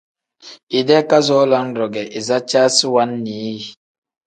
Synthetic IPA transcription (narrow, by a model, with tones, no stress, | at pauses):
i˨dɛ˦ka˦zɔ˨˦la˦ŋɾɔ˨ɡɛ˨ʔi˨za˦t͡ʃa˦si˦wa˦nːi˨˦˨